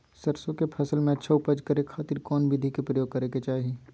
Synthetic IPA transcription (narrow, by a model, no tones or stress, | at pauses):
sɐɾsõkepʰɐsəlmẽɐtːʃʰaʊpəd͡ʒkɐɾekʰaːt̪ɪɾkɔːnbʱɪd̪ʱikepɾəjoːɡ̚kɐɾeket͡ʃaːɦieː